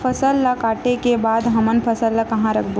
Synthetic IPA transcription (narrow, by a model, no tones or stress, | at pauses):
pʰɐsəlːakaːʈekebaːd̪ɦɐmənpʰɐsəlːakɐɦãɾɐkʰbo